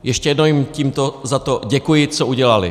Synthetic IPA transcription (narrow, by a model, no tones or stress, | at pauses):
jɛʃcɛjɛd̪nowimciːmt̪ozat̪oɟɛkujɪt͡sɔuɟɛlalḭ